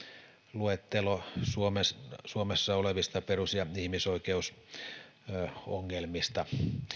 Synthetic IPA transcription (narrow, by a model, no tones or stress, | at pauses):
luet̪ːelosuomessuomesːɑoleʋist̪ɑperusjɑihmisoikeus | o̰ŋːelmist̪ɑ